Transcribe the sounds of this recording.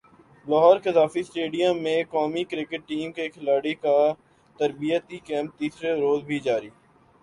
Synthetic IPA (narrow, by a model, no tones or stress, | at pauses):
lɔːɦɔːɾkɪzaːfisʈeːɖijəmːẽkɔːmikɾɪkəʈʈːiːmkekʰɪlaːɽika | t̪əɾbijət̪ikɛ̃ːmp̚t̪iːsɾeɾoːzbʱid͡ʒaːɾiː